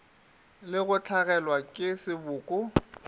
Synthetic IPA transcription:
lɪɣʊt͡ɬʰaɣɛlwakʼɪsɪbʊːkʼʊ

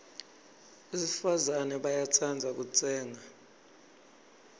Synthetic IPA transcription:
esifazanɛɓajat͡sʰand͡zʱak̬ut͡sʼɛːŋa

